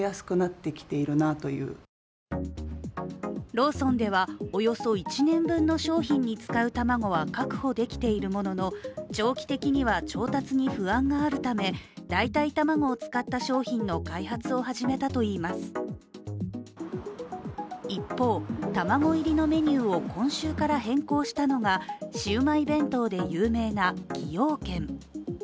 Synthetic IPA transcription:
jasɨ̥kɯ̟nat̪ːe̞kʲi̥t̪e̞iɾɯ̟nat̪o̞jɯ̟̰ː | ɾo̞ːsõ̞nd̪e̞βao̞jo̞so̞it͡ɕinẽ̞mbɯ̟̃nːo̞ɕo̞ːçĩɲ̟ːit͡sɨ̥kaɯ̟t̪amaɡo̞βakakɯ̟̥ho̞d̪e̞kʲi̥t̪e̞iɾɯ̟mo̞no̞no̞t͡ɕo̞ːkʲi̥t̪e̞kʲiɲ̟iβat͡ɕo̞ːt̪at͡sɨɲ̟iɸɯ̟ãŋɡaːɾɯ̟t̪ame̞d̪̥ait̪ait̪amaŋo̞ːt͡sɨ̥kat̪ːaɕo̞ːçĩnːo̞kaihat͡sɨo̞haʑime̞t̪at̪o̞iːmasɨ̥ | ipːo̞ːt̪amaɡo̞iɾʲino̞me̞ɲ̟ʲɨːo̞kʰõ̞ɰ̃ɕɨːkaɾaɦẽ̞ŋko̞ːɕi̥t̪ano̞ŋaɕɨːmaibẽ̞nt̪o̞d̪e̞jɯ̟ːme̞ːnakʲʰijo̞ːkẽ̞ŋ

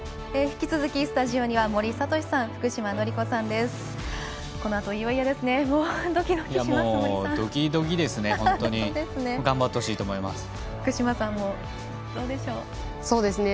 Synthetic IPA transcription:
eçi̥kʲit͡sɨzɨkʲisɨ̥t̪aʑio̞ɲ̟iβamo̞ɾʲisat̪o̞ɕi̥sãɰ̃ɸɯ̥kɯ̟ɕimano̞ɾʲiko̞sãnd̪e̞sɨ̥ | ko̞no̞at̪o̞iβaijad̪e̞sɨne̞moːd̪okʲid̪okʲamoːd̪okʲid̪o̞ɡʲid̪e̞sɨnehõt̪oɲid̪esɨne̞ɡãmbat̪ːeoɕiːt̪oːmo̞ima̰sɨ̥ | ɸɯ̟̥kɯ̟ɕimasãmːo | d̪o̞ːd̪e̞ɕo̞ː | so̞ːd̪e̞sɨne

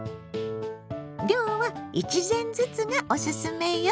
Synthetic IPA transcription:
ɾʲjoːβait͡ɕizẽ̞nd͡zɨt͡sɨɡaʔo̞ɕɨsɨme̞jo

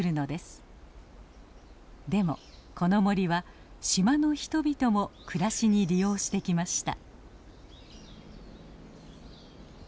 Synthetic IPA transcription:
ɾɯ̟no̞d̪e̞sɨ̥ | d̪e̞mo̞̰kʰo̞no̞mo̞ɾʲiβa | ɕimano̞çi̥t̪o̞bʲit̪o̞mo̞kɯɾaɕiɲ̟iɾʲijo̞ːɕi̥t̪e̞kʲimaɕi̥t̪a̰

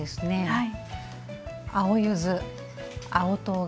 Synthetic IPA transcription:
esɨne̞ai | aojɯzɨ | aot̪o̞ː

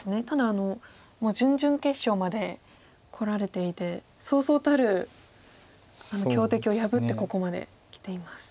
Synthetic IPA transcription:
sɨne̞t̪ad̪aːno̞ | moːd͡ʑɨ̃ɲ̟d͡ʑɨ̃ŋke̞ɕːo̞ːmad̪e̞ | kʰo̞ɾaɾe̞t̪e̞it̪e̞ | so̞ːso̞ːt̪aɾɯ̟ | ano̞kʲo̞ːt̪e̞kʲio̞jabɯ̟t̪ːe̞ko̞ko̞mad̪ḛ | kʲi̥t̪e̞imasɨ̥

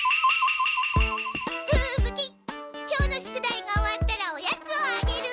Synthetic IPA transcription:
pɯːmɯ̟kʲi | kʲo̞ːno̞ɕi̥kɯ̟d̪aiɡaoβat̪ːaɾaojat͡sɨoaɡe̞ɾɯ̟

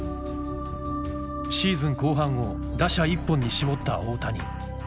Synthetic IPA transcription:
ɕiːzɨ̃ŋko̞ːɦãɰ̃o̞ | d̪aɕaipːõɲ̟ːiɕibo̞t̪ːa̰oːt̪aɲ̟ḭ

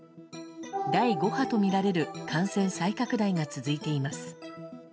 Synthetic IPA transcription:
d̪aiɡo̞hat̪o̞mʲiɾaɾe̞ɾɯ̟kʰãɰ̃sẽ̞ɰ̃saikakɯ̟d̪aiŋat͡sɨzɨit̪e̞imasɨ̥

